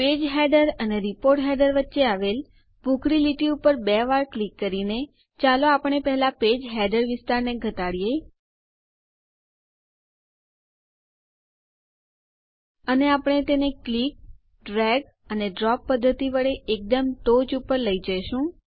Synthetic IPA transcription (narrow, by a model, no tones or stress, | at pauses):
ped͡ʒɦɛɖəɾəneɾipoɾʈɦɛɖəɾʋətːʃeaʋel | bʱukɾiliʈiupəɾbɛʋaɾklikːəɾine | t͡ʃaloapəɳ̃epɛɦɛlaped͡ʒɦɛɖəɾʋɪst̪aɾneɡʱət̪aɽje | əneapəɳ̃et̪eneklik̚ | ɖɾɛɡ | əneɖɾɔpːəd̪ʱːət̪iʋəɭeʔek̚d̪əmt̪od͡ʒupəɾləid͡ʒəjʃũ